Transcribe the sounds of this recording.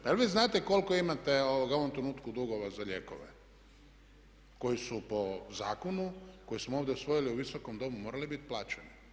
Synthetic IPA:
paelʋiːznaːt̪eko̞lko̞imat̪eoʋoɡoʋomt̪ɾenuːt̪kud̪uɡo̞ʋazaʎeːko̰ʋḛ | ko̞jisupo̞za̰ːkonuko̞jismooːʋd̪jeusʋo̞jiliuʋisokomd̪o̞mumo̞ːɾalibit̪plˠaːt͡ʃeni

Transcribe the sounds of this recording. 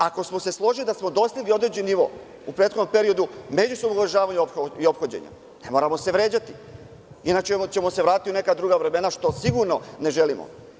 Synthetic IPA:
ako̞smo̞se̞slˠo̞ʒilid̪asmo̞d̪o̞slʲiʋio̞d̪ɾed͡ʑenniʋo̞̰ | upɾe̞ːt̪xo̞d̪ompe̞ɾio̞d̪ume̞d͡ʑusob̪noɡʋɾeʒaːʋaɲuopxoio̞pxod͡ʑḛɲa̰ | ne̞mo̞ɾamo̞seʋɾe̞ːd͡ʑat̪i̥ | inat͡ɕemot͡ɕe̞mo̞seʋɾaːt̪it̪iune̞kad̪ɾuɡaʋɾe̞me̞naʃt̪o̞siɡuɾno̞ne̞ʒe̞limo̰

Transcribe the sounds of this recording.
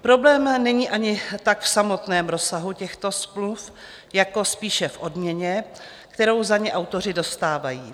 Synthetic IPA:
pɾo̞blɛːmnɛɲiːʔaɲɪt̪akfsamo̞t̪nɛːmɾo̞saɦucɛxt̪o̞smluf | jako̞spiːʃɛfʔo̞dmɲɛɲɛ | kt̪ɛɾo̞wzaɲɛʔawt̪o̞r̝ɪdo̞st̪aːvajiː

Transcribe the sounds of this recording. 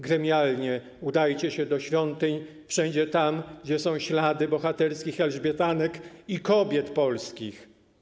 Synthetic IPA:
ɡɾɛmʲjalɲɛ | ud̪ajt͡ɕɛɕɛd̪ɔɕfʲjɔnt̪ɘɲ | fʂɛɲd͡ʑɛt̪amɡd͡ʑɛsɔ̃w̃ɕlad̪ɘbɔxat̪ɛɾskʲixɛlʐbʲjɛt̪anɛkikɔbʲjɛt̪pɔlskʲix

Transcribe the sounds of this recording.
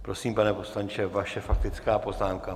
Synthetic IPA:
pɾo̞siːmpanɛpo̞slaɲt͡ʃɛvaʃɛfak̚t̪ɪt͡skaːpo̞znaːmka

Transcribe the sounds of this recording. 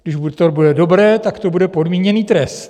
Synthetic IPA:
ɡdɪʃvut̪oɾbudɛdo̞bɾɛːt̪akt̪o̞budɛpo̞dmiːɲɛniːt̪ɾɛst̪

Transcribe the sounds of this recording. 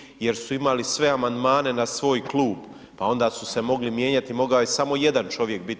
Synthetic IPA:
je̞ɾsuimalisʋe̞amand̪maːne̞nasʋo̞ːjklˠuːb | pao̞nd̪aːsuse̞mo̞ɡlimje̞ːɲat̪imo̞ɡaojesamo̞je̞d̪ant͡ʃo̞ʋje̞k̚bit̪

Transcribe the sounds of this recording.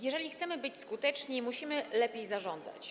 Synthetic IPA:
jɛʐɛlʲixt̪sɛmɘbɘt͡ɕskut̪ɛt͡ʂɲimuɕimɘlɛpʲjejzaʐɔnd̪za̰t͡ɕ

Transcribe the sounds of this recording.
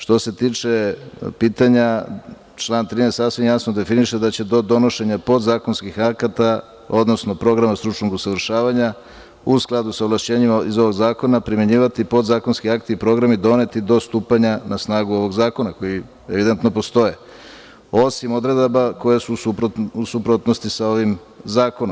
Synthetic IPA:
ʃt̪o̞se̞t̪iːt͡ʂe̞piːt̪aɲa | t͡ʃlˠaːnt̪ɾinest̪asʋimjasnod̪e̞finiʃed̪at͡ɕe̞d̪o̞d̪o̞no̞ʃe̞ɲapo̞d̪zaːko̞nskixakat̪a | o̞d̪no̞sno̞pɾo̞ɡɾamast̪ɾut͡ʂnoɡusaʋɾ̩ʃaːʋaɲa | usklˠad̪usaoʋlˠaʃt͡ɕe̞ːɲimaizo̞ʋo̞ɡzaːko̞napɾime̞ɲiːʋat̪ipo̞d̪zaːko̞nskiakt̪iipɾo̞ɡɾamid̪o̞ne̞t̪id̪o̞st̪uːpaɲanasnaːɡuo̞ʋo̞ɡzaːko̞nako̞ji | eʋid̪ent̪no̞po̞st̪o̞je | o̞simo̞d̪ɾe̞d̪abako̞je̞suupɾousupɾot̪nost̪isao̞ʋim | zaːko̞nomm

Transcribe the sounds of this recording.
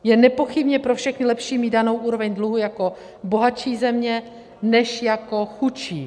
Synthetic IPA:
jɛnɛpo̞xɪbɲɛpɾofʃɛxnɪlɛpʃiːmiːdano̞wʔuːɾovɛɲdluɦujako̞ | bo̞ɦat͡ʃiːzɛmɲɛ | nɛʃjako̞xut͡ʃiː

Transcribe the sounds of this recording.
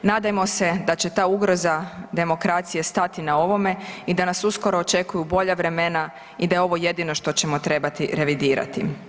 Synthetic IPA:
naːd̪ajemo̞se̞d̪at͡ɕe̞t̪aːuɡɾo̞zad̪e̞mo̞kɾat̪sije̞st̪at̪inao̞ʋo̞me̞id̪anasusko̞ɾoːt͡ʃe̞kujubo̞ʎaʋɾe̞me̞na | id̪ajeo̞ʋo̞je̞d̪ino̞ʃt̪o̞t͡ɕe̞mo̞t̪ɾe̞bat̪iɾe̞ʋid̪iːɾa̰t̪ḭ

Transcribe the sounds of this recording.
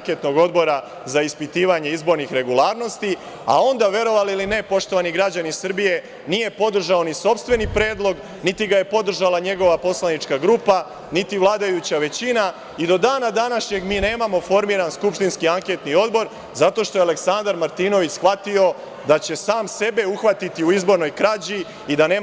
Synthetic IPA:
ŋke̞t̪no̞ɡo̞d̪bo̞ɾa | zaispit̪iːʋaɲe̞izbo̞ɾnixɾe̞ɡulˠaːɾno̞st̪i | a̰o̞nd̪aʋje̞ɾo̞ʋaliline̞po̞ʃt̪o̞ʋaniɡɾad͡ʑanisr̩bije̞ | nije̞po̞d̪r̩ʒao̞niso̞pst̪ʋe̞nipɾe̞ːd̪lˠo̞ɡ | nit̪iɡaje̞po̞d̪r̩ʒalˠaɲe̞ɡo̞ʋapo̞slˠanit͡ʃkaɡɾuːpa | nit̪iʋlˠaːd̪ajut͡ɕaʋe̞t͡ɕina | id̪o̞d̪aːnad̪anaʃɲe̞ɡmiːne̞ːmamo̞fo̞ɾmiːɾanskupʃt̪inskiaŋke̞t̪nio̞d̪bo̞ɾ | zat̪o̞ʃt̪o̞jeale̞ksand̪aɾmaɾt̪iːno̞ʋit͡ɕsxʋat̪io̞ | d̪at͡ɕe̞saːmse̞be̞uxʋat̪it̪iuizbo̞ɾno̞jkɾad͡ʑi | id̪ane̞ː

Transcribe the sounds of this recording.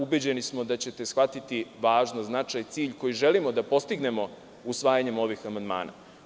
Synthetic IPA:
ubed͡ʑe̞nismo̞d̪at͡ɕe̞t̪e̞sxʋat̪it̪iʋaːʒnoznat͡ʂajt̪siːʎko̞jiʒe̞limo̞d̪apo̞st̪iɡne̞mo̞ | usʋaːjaɲe̞mo̞ʋixamand̪ma̰ːna̰

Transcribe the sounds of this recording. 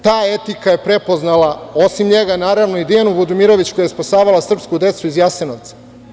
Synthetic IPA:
t̪aːet̪ikaje̞pɾe̞po̞znalˠao̞simɲe̞ɡanaːɾaʋno̞id̪ijanubud̪umiɾo̞ʋit͡ɕkojajespasaːʋalˠasr̩pskud̪e̞t̪suizjasenoʋt̪sḁ

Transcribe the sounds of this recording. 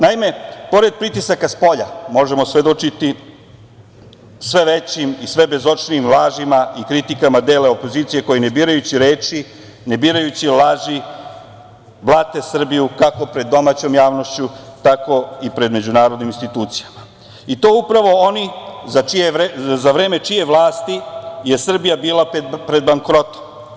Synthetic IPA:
naime̞po̞ɾe̞d̪̚pɾit̪isakaspo̞ʎamo̞ʒe̞mo̞sʋe̞d̪ot͡ʃit̪i | sʋe̞ʋet͡ɕimisʋe̞be̞zo̞t͡ʃniːmlˠaːʒimaikɾit̪ikamad̪e̞ːleo̞po̞ziːt̪sije̞ko̞jene̞biːɾajut͡ɕiɾe̞ːt͡ʃi | ne̞biːɾajut͡ɕilˠaːʒi | blˠat̪e̞sr̩bijukako̞pɾe̞d̪ːo̞maːt͡ɕo̞ːmjaːʋno̞ʃt͡ɕut̪ako̞ipɾe̞d̪me̞d͡ʑunaːɾod̪niminst̪it̪uːt̪sijama | it̪o̞ːupɾaʋo̞onizat͡ʃieɾezaʋɾe̞ːme̞t͡ʃije̞ʋlˠaːst̪ije̞sr̩bijabiːlˠapɾe̞d̪̚baŋkɾo̞t̪o̥m

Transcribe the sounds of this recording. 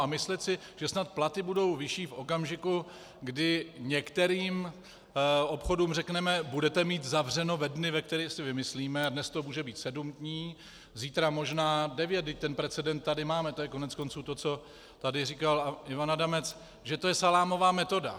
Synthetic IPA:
amɪslɛt̪sɪ | ʒ̥ɛsnat̪̚plat̪ɪbudo̞wvɪʃiːfʔo̞kamʒɪku | ɡdɪɲɛkt̪ɛɾiːm | o̞pxo̞duːmrɛknɛmɛbudɛt̪ɛmiːt̪zavr̝ɛno̞vɛdnɪvɛk̚t̪ɛɾiːsɪvɪmɪsliːmɛadnɛst̪omuːʒɛbiːt̪sɛdumdɲiː | ziːt̪ɾamo̞ʒnaːdɛvjɛt̪̚dɪc̚t̪ɛnpɾɛt͡sɛdɛnt̪̚t̪ːadɪmaːmɛt̪o̞jɛkonɛt͡sko̞nt͡suːt̪o̞t͡so̞ | t̪adɪriːkalɪvanadamɛt͡s | ʒɛt̪o̞jɛsalaːmo̞vaːmɛt̪o̞da̰

